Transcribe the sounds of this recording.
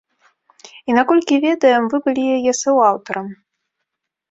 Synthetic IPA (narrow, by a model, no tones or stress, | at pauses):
inakɔlʲkʲɪvʲed̪ɐjəmvɨbɨlʲijɛjɛsɨwawt̪ɐɾəm